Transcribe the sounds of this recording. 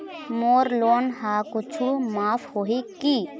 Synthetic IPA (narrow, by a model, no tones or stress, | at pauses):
moːɾloːnɦakʊt͡ʃʰumaːpʰhoɦiki